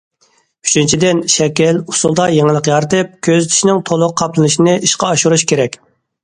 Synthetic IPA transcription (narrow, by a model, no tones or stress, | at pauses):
y̥t͡ʃʰint͡ʃʰid̪ɪnʃɛkʲɛlusulˠd̪ɑjeŋəlˠəqjɑɾt̪ɨp̚kʲʰøzt͡ʃ̪ʰi̥ʃnɪŋt̪ʰolˠʊqʰːɑplˠɨnɨʃinɪʔiʃqɑɑʃuɾuʃkʲʰeɾɛkʲ